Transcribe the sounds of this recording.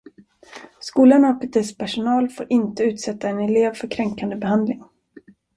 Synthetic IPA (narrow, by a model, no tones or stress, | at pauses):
skuːlanɔkəɛspʰæʂʊnɑːlfoːɾʔɪnt̪əʉ̟ːt̪sɛt̪ːaɛnɛleːvfœɾkʰɾɛŋkand̪əbɛɦand̪lɪŋ